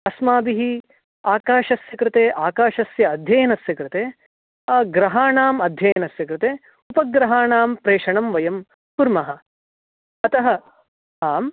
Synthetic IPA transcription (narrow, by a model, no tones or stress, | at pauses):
ɐsmaːbiɦi | aːkaːʃɐsjɐkɾɪt̪eːʔaːkaːʃɐsjɐːd̪ʱjɐjɐnɐsjɐkɾɪt̪eː | ɐɡɾɐɦaːɳaːmɐd̪ʱjɐjɐnɐsjɐkɾɪt̪eː | upɐɡɾɐɦaːɳaːmpɾeːʂɐɳɐmʋɐjɐm | puɾmɐɦɐ̆ | ɐt̪ɐɦɐ | ɦaːm